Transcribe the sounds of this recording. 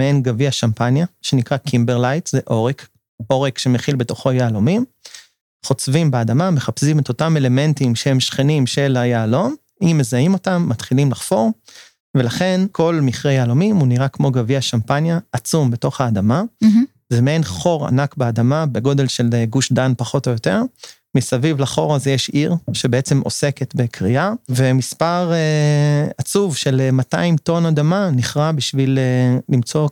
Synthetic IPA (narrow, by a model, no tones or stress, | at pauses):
meenɡaviaʃampanjaʃe̞nikʁakʰimbeʁlajtzeʔo̞ʁek | o̞ʁekʃe̞meχilbe̞to̞χo̞jaːlomim | χo̞t͡svimbeadamame̞χapsimet̪o̞tame̞le̞me̞ntimʃehe̞mʃχenimʃe̞lajaːlo̞m | imːe̞zaimo̞tamːatχilimlaχfo̞ʁ | ve̞laχe̞nkʰo̞lmiχʁejaːlo̞mimuniʁakmo̞ɡaviaʃampanjaːt͡sumbe̞to̞χaːd̪ama | zemeenχo̞ʁa̰nakbead̪amabe̞ɡo̞de̞lʃe̞leɡuʃdanpaχo̞tojo̞t̪e̞ʁ | misavivlaχo̞ʁazejeʃiʁʃebeet͡se̞mʔo̞̰se̞ke̞t̪be̞kʁiave̞mispaʁeat͡suvʃe̞lemata̰imto̞nad̪amaniχʁabiʃvilelimt͡so̞